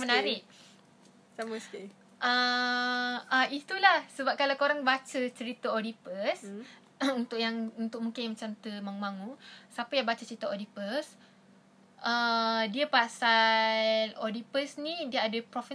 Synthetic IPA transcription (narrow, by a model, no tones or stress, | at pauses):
mənaɾɪʔ | saməsi | ʔə | ait̪ulahsəbap̚kalawkoɾaŋbat͡ʃət͡ʃəɾit̪əodipəs | unt̪ʊʔjaŋunt̪ʊk̚mũŋkɪnmət͡ʃant̪əmaŋumaŋusapəjaŋbat͡ʃət͡ʃəɾit̪aodipəs | ʔədiapasa | lodipəsnidiaadəpɾofə